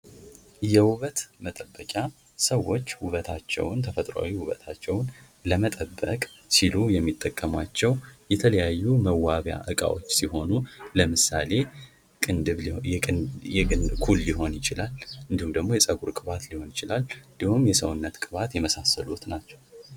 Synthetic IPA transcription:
jɛwuβət̪mət̪ʼəbːəkʼja | səwːo̞t͡ʃːhuβət̪ʰat͡ʃːɛ̰wnt̪ʰəfət̪ʼɾa̰wiwuβə̰t̪ʰat͡ʃːɛwn | ləmət̪ʼəbːə̰kʼsilujɛmːit̪ʼːəkʼːəmwat͡ʃːɛwjɛt̪ʰələjajːuməwːaβja̰ʔɨkʼa̰wo̞̰t͡ʃːsiho̞nuləmɨsa̰le̞ | ɨnɨβʼ | ɛɨnkʰulːiɦo̞njɪt͡ʃɪlalɨnd̪ihumd̪əɡmo̞jɛsʼəɡuɾkʼɨβat̪liho̞njɪt͡ʃɪlalɨnd̪ihumjɛsəwʊnːət̪kʼɨβat̪jɛməsasəlut̪nat͡ʃːɛw

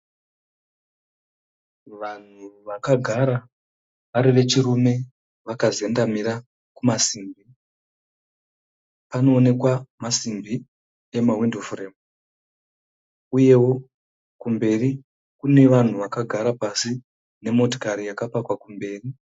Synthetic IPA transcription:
ʋan̤uʋakaɡʱaɾa | ʋaɾiʋe̞t͡ʃirume̞ | ʋakaze̞ndamiɾa | kumasiːmbi | pano̞ːne̞kwamasimbi | e̞mawindofremu | uje̞wo̞ | kumbe̞ri | kune̞ʋan̤uʋakaɡʱaɾapasi | ne̞mo̞to̥kaɾijakapakwakumbe̞ːri

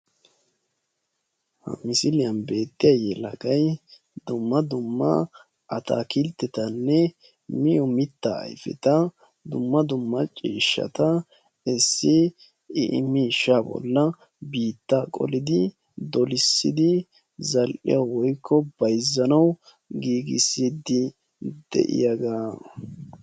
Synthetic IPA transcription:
hɐ̰mɪsɪlɪjɐnbe̞ːt̪ːɪjɐjɛlɐ̰ɡɐj | d̪ʊmːɐd̪ʊmːɐ̰ | ʔɐt̪a̰ːkɪlt̪ːɛt̪ɐnːɛ | mɪjɔmɪt̪ːa̰ɐ̰jfɛ̰t̪ɐ | d̪ʊmːɐd̪ʊmːɐt͡ʃʼiːʃːɐ̰t̪ɐ | ɪsːɪ | ɪʔɪ̰mːiʃabɔ̰lːɐ | biːt̪ːaːkʼɔ̰lɪd̪ɪ | d̪ɔlɪsːɪd̪ɪ | zɐlʔɪ̰jɐwɔjkʰːɔb̥ɐjzːɐnɐw | ɡiːɡɪ̰siːd̪ɪ | d̪̥ɛ̰ʔɪ̰jaɡaː

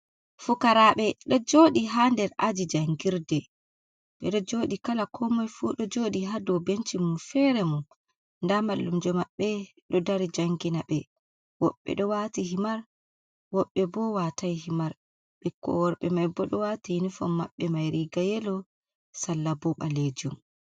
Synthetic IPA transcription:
fukaɾaɓɛɗɔd͡ʒoɗiɦandɛɾad͡ʒid͡ʒaŋɡiɾdɛ | ɓɛɗɔd͡ʒoːɗikalakʰɔmɔjfuːɗɔd͡ʒoːɗiɦadɔwbent͡ʃimunfɛɾɛmun | ndamalːumd͡ʒɔmaɓːɛ | ɗɔdaɾid͡ʒaŋɡinaɓɛ | wɔ̰ɓːɛ̰ɗɔwatiɦimaɾ | wɔɓːɛbɔwatajhimaɾ | ɓɛkɔ̰wɔɾɓɛmajbɔɗɔwatijinifɔmːa̰ɓːɛmajɾiɡajɛlɔ | salːabɔɓa̰led͡ʒum

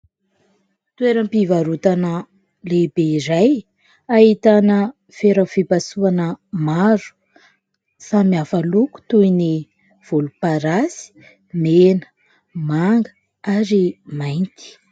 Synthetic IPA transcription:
t̪ueɾəmpivaɾut̪anə | lebeiɾaj | aɦit̪anə | feɾafepasuanəmaɾu̥ | samiafaluku̥t̪uini | v̥olupaɾasi̥ | menə̥ | maŋɡə̥ | aɾimajnt̪i̥

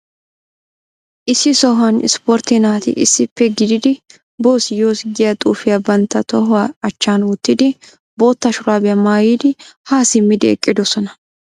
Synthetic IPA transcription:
ʔɪsːɪsɔɦɐnɪ̰spɔɾt̪ːɪnaːt̪ɪ̰ʔɪ̰sːɪpːɛɡɪd̪ɪd̪ɪ | bo̞ːsɪjoːsɡɪjɐt̪ʼuːfɪjabɐnt̪ːɐt̪ɔɦʊaɐt͡ʃːaːnwʊt̪ːɪd̪ɪ | bo̞ːt̪ːɐʃʊɾaːbɛjɐmaːjiːd̪ɪhaːsɪmːɪd̪ɪɛkʼːɪd̪ɔsɔnɐ

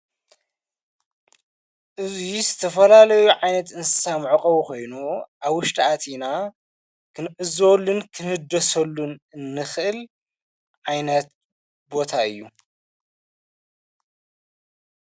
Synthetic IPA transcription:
ʔɨzizɨt̪ʰɐfɐlalɐjuʕajnɐt̪ɨnsɨ̥samʕɨkʼɐβukʰo̞jnuʔaβwʊʃt̪ʰʼiʔat̪ʰina | kʰɨnʔɨzolːunkʰɨnhɨd̪ɐsɐlːunɨnːɨxʔɨl | ʕajnɐt̪̚ | bo̞t̪ʰaɨjːu

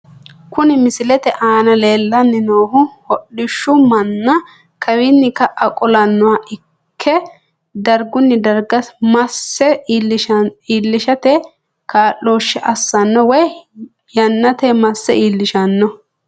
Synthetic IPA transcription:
kʊnɪmɪsɪlɛt̪ɛʔaːnɐleːlːɐnːɪnoːhʊhɔɗːɪʃːʊmɐnːɐ | kʰɐwɪnːɪkɐʔɐkʼɔlɐnːʊwaːʔɪ | kʰːɛ | d̪ɐɾɡʊnːɪd̪ɐɾɡɐsmɐsːɛ | iːlːɪʃɐt̪ɛ | kaːlːoːʃːɛʔɐsːɐnːɔwɛj | jɐnːɐt̪ɛmɐsːɛʔiːlːɪʃɐnːɔ

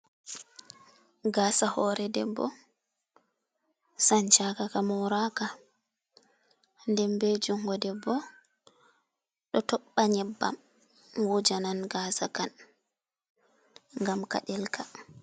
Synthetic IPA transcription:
ɡaːsahɔɾɛdɛ̰bɔ̰ | saɲt͡ʃakakamɔɾaka | ndɛmbed͡ʒuŋɡɔdɛbɔ | ɗɔtɔɓːaɲɛbːa̰m | wud͡ʒananɡaːsakan | ŋɡamka̰ɗɛlkʰa

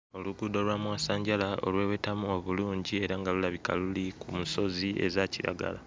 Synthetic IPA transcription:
o̞luɡudo̞lwamwaːsaːɲɟalao̞̰lwe̞ːwe̞tamuo̞βuluːɲɟie̞ɾaŋɡalulaβika̰lulikʰumuso̞zie̞̰zaciɾa̰ɡa̰la

